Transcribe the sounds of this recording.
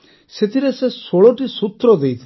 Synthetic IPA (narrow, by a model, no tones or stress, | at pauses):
set̪ʰiɾesesoɭɔʈisut̪ɾɔd̪ejt̪ʰ